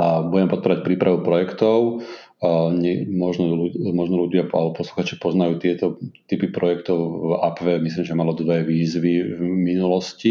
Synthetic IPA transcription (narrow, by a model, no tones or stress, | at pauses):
buɟɛmɛpɔt̪̚pɔɾac̚pɾiːpɾaʋupɾɔjɛkt̪ɔʊ | ɲɛmɔʒnɔlumɔʒnɔluɟɪaa̰lɛbɔpɔsluxaːt͡ʃi̥pɔznajuːt̪ɪɛt̪ɔt̪ipipɾɔjɛkt̪ɔʊapʋɛmisliːmʒɛmalɔd̪ʋɛʋiːzʋivminulɔsci